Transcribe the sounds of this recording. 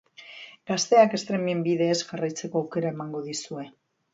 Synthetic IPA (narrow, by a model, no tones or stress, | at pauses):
ɡ̥ast̪e̞ake̞st̪ɾe̞miembiðe̞ːsʝarajt͡se̞ko̞awke̞ɾae̞maŋɡo̞ðisue̞